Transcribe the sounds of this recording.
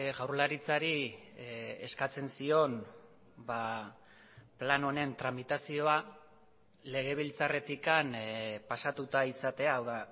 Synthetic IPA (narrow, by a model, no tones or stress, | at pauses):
ɣawɾlaɾit͡saɾi | e̞̰skat͡se̞nsio̞n | ba | plano̞ne̞nt̪ɾamit̪asio̞a | le̞ɣ̞e̞β̞ilt͡sare̞t̪ikanpasat̪ut̪aisat̪e̞aːwða